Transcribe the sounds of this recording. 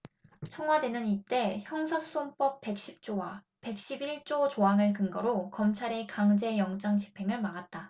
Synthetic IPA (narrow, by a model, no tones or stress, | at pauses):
t͡ɕʰʌŋɦwade̞nɯnit͈e̞çjʌŋsʰʌsʰu̥onp͈ʌp̚p͈e̞k̚ɕ͈ip̚t͡ɕ͈owa | pe̞k̚ɕ͈ibiɭt͡ɕ͈ot͡ɕoaŋɯɭkɯŋɡʌɾokʌmt͡ɕʰaɾe̞kaŋd͡ʑe̞jʌŋt͡ɕ͈ʌŋt͡ɕi̥pʰe̞ŋɯɭmaɡat̚t͈a